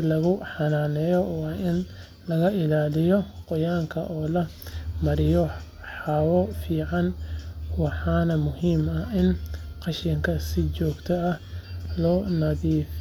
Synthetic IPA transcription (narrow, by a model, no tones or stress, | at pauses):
lɐɣʊħɑnaːnɛːjɔwɑːɪn | lɐɣɐʔɪlaːlɪjɔqɔjaːŋkʰɐʔɔːlɐ | mɐɾɪjɔ | ħɑːwɔfiːʕɑnwɑħɑːnɐmʊhiːmɐɪnqɑʃɪŋkʰɐsɪt͡ʃɔːɡt̪ʰɐɐhlɔːnɐðiːf